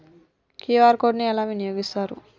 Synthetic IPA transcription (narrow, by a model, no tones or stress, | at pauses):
kiːʋaːɾkoːɖniɛlaːʋinijoːɡist̪aːɾṵ